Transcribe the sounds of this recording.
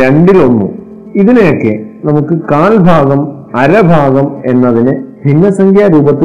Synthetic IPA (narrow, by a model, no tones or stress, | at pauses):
eɳɖilonːṵ | iðinejokːenɐmukːɨkaːlbʱaːɡɐm | ɐɾɐbʱaːɡɐme̞nːɐðinɨbʱinːɐsɐŋɡʰʱjaːɾuːbɐt̪ːi